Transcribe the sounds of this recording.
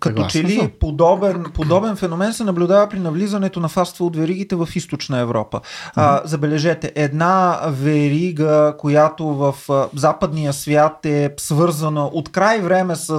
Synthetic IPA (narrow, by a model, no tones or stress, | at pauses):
kɐt̪ɔt͡ʃɛlipod̪ɔbɛnpod̪ɔbɛnfɛnomɛnsɛnɐblʲud̪avəpɾinɐvlizɐnɛt̪onɐfast̪vəot̪vɛɾiɡ̟it̪ɛvɐfist̪ot͡ʃnəɛvɾɔ̰pə̰zɐbɛlɛʒɛt̪ɛʔɛd̪navɛɾiɡəkojat̪ovɐfzapəd̪nijəsvʲjat̪ɛsvɤɾzənəʔot̪kɾajvɾɛmɛsə